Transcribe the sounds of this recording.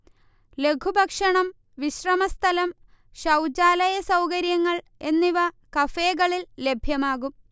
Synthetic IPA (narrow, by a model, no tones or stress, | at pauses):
le̞kʰubʱɐkʂɐɳɐm | ʋiɕrɐmɐst̪ʰɐlɐm | ɕɐwd͡ʑaːlɐjɐsɐwkɐɾjɐŋːɐɭ | e̞nːiʋɐ | kɐfe̞ːɣɐɭilːe̞bʱjɐmaːɣum